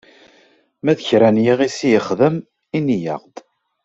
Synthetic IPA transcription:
mæðəçɾænjiʁisijəχðəm | inijə̰ʁd̪

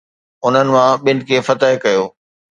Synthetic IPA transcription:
ʊn̤ənɪ̆mãɓɪn̆kʰeːfɐt̪əɦɪkɐjoː

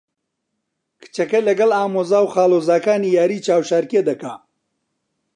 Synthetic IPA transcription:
kʰɨ̥t͡ʃɐkɐlɐɡɐlaːmoːzaːwxaːloːzaːkaːniːjaːɾiːt͡ʃaːwʃaːɾked̪ɐkaː

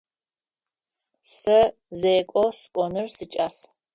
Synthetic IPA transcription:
sɐ | zejkʷʼɔskʷʼɔnɨrsɨt͡ʃʼas

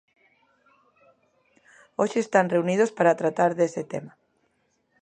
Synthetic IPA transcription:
oʃeːst̪anreunið̞ospaɾat̪ɾat̪aɾðesɪt̪ema

